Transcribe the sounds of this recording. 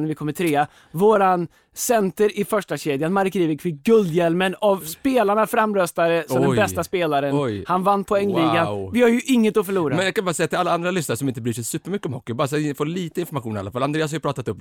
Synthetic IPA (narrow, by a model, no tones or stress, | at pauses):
nævɪkʰɔmːət̪ʰɾeːa | voːɾan | sɛnt̪əɾɪfœʂʈaɕeːd̪janmaɾkɾiːvɪkfɪk̚ɡɵld̪jɛlmənavspeːlaɳafɾamːɾœst̪aɾəsɔɔmd̪ɛmbɛst̪aspeːlaɾənɔjhanvanːpʰɔɛŋːliːɡanvɪhaɾjɵʔɪŋːət̪ɔfœɭuːɾamɛnjakanbɑɾasɛjːat̪ɪlalːaand̪ɾalʏsnaɾəʂɔmɪnt̪əbɾyːʂɛjsʉːpːəɾmʏkːəɔmhɔkːɪbɑːɾasɛfoːliːt̪əɪnfɔɾmaɧuːnɪalːafalːaneːashajʏpɾɑːt̪at̪ɵpː